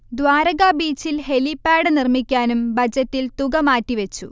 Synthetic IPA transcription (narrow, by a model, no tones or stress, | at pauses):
d̪waːɾɐɣaːbiːt͡ɕːilɦelipːaːɽɨnirmikʲːaːnumbʱɐd͡ʑɐtːilt̪uɣɐmaːtːiʋet͡ɕːṵ